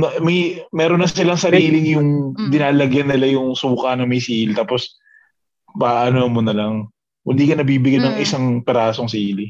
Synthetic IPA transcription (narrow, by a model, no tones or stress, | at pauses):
nɐmɐjmɛːɾonːɐsɪlɐŋsɐɾiːlɪŋjʊŋd̪ɪnaːlɐɡjɐnːɪlajʊŋsuːkɐnɐmɐjsiːlɪt̪aːpos | pɐʔʔɐnoɐmʊnɐlɐŋ | ʔʊnd̪iːkɐnɐbiːbɪɡajnɐŋɪsaŋpɛɾaːsoŋsiːlɪ